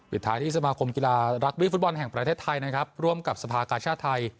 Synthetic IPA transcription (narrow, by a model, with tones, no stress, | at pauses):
pʰi˨˩t̪ʰːaː˦˥t̪ʰiː˥˩sa˧maː˧kʰo˧mki˧laː˧ɾa˦˥k̚wi˦˥fu˦˥t̪̚bɔ˧nɦɛ˨˩ŋpɾa˧t̪ʰeː˥˩t̪ʰːa˧jna˦˥kʰɾa˦˥p̚ɾu˥˩əmka˨˩p̚sa˧pʰaː˧kaː˧nt͡ɕʰaː˥˩t̪ʰːa˧j